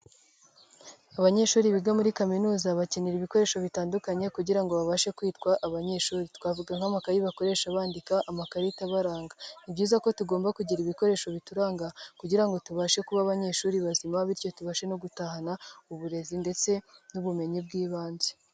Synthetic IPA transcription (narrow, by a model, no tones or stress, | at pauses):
aβaɲe̞ʃuːɾiβiɡamuɾikaminuːzaβaceniɾiβiko̞ɾe̞ːʃo̞βitaːndukaɲe̞kuɟiɾaŋɡo̞βaβaʃe̞kwiːtkwaʔaβaɲe̞ʃuːɾitwaːvuɡaŋhamakaɾiβako̞ɾe̞ːʃaβaːndikaʔamakaɾitaβaɾaːŋɡanibɟuːzako̞tuɡo̞ːmbakuɟiɾiβiko̞ɾe̞ːʃo̞βituɾaːŋɡakuɟiɾaŋɡo̞tuβaʃe̞kuβaβaɲe̞ʃuːɾiβazimaβiɾco̞tuβaʃe̞no̞ɡutahanauβuɾe̞zinde̞t͡se̞nuβume̞ɲib̚ɡiːβaːnze